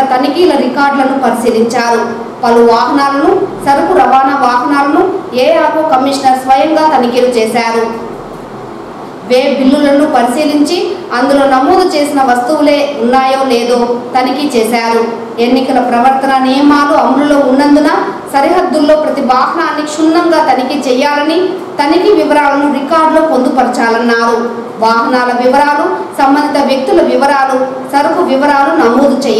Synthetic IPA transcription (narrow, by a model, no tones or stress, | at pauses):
t̪ɐnikiːlɐɾikaːɾɖlɐnupɐɾisiːliɲt͡ʃaːɾu | pɐluʋaːɦɐnaːlɐnusɐɾɐkuɾɐʋaːnɐʋaːɦɐnaːlɐnueːjaːɾoːkɐmːiʂnɐɾsʋɐjɐŋɡaːt̪ɐnikiːlut͡ʃɛːsaːɾu | ʋeːbʱilːulɐnupɐɾisiːliɲt͡ʃiɐnd̪ulo̞ːnɐmːoːd̪ɐt͡ʃe̞ːsinɐʋɐst̪uule̞ːunːaːjoːleːd̪o̞ːt̪ɐnikit͡ʃeːsaːɾu | e̞nːikɐlɐpɾɐʋɐɾt̪ɐnɐnɛːɐmaːluɐmululo̞ːunːɐnd̪unɐsɐɾiɦɐd̪ːulːo̞ːpɾɐt̪ibaːɦɐnaːnːikʂunːɐŋɡaːt̪ɐnikit͡ʃɛjːaːlɐni | t̪ɐnikiʋiʋɐɾaːlɐnuɾikaːɾɖlo̞ːpond̪upɐɾit͡ʃaːlɐnːaːɾu | ʋaːɦɐnaːlɐʋiʋɐɾaːlusɐmbɐnd̪it̪ɐʋjɐk̚t̪ulɐʋiʋɐɾaːlu | sɐɾʋɐʋiʋɐɾaːlunɐmoːd̪ut͡ʃɛj